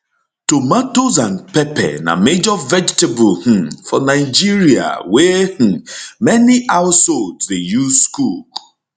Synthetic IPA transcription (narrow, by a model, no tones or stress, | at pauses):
tomatozãnpɛpɛ̰na̰med͡ʒɔvɛd͡ʒtebʊlh̩fɔnaɪd͡ʒiɾia̰weh̩mɛniaʊsoldsdejuzskuk